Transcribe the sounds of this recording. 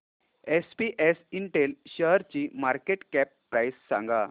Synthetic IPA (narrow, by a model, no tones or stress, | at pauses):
espiʔesiɳʈelɕəɦɾt͡ɕiːmaɾkeʈkɛpːɾajsːã̰ŋɡa